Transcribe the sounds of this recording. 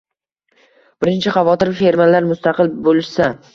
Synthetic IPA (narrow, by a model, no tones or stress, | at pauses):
b̥ɪɾɪnt͡ʃʰɪχɑvɒt̪ɪɾfeɾmalaɾmʊst̪ɑqʰɨlbolɪʃsa